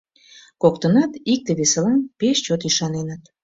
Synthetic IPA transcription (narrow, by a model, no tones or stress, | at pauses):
kok̚t̪ənɑt̪ik̚t̪eβeselɑnpeʃt͡ɕot̪iʃɑnenət̪